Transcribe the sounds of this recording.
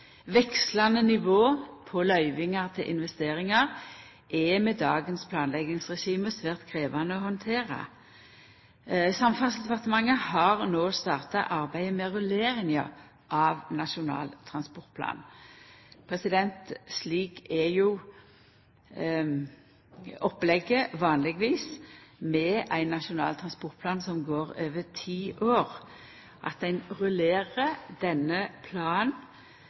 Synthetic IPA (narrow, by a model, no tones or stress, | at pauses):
ʋɛkslɑnənɪʋoːpʰɔlœʏʋɪŋɑʁt̪ʰɪlʔɪ̰nʋɛst̪eːɾɪŋɑʁ | ʔɛmɛd̪ɑːɡənspʰlɑːnlɛɡɪŋsʁɛʃiːməsʋæːʁt̪kʰʁeːʋɑnəɔhɔnt̪ʰeːʁɑ̰ | sɑmfɑnsd̪ɛpɑʁt̪əmɑŋːəhɑʁnoːst̪ɑːʁt̪ɑʔɑʁbæɪəmɛʁʉleːɾɪŋɑ̰ | ʔɑʋnɑʂʊnɑ̰ːlt̪ʰʁɑnspɔʁt̪̚pʰlɑ̰ːn | pʰʁɛsɪd̪ɛnt̪sliːkæjʊ | ɔpːlɛɡəʋɑːnlɪɡʋiːsmɛʔæɪnːɑʂʊnɑ̰ːlt̪ʰʁɑnspɔʁt̪̚pʰlɑːnsɔmɡoːʁøːʋət̪ʰiːʔoːʁ | ʔɑ̰t̪̚d̪ɛnʁʉleːʁəd̪ɛnːəpʰlɑːn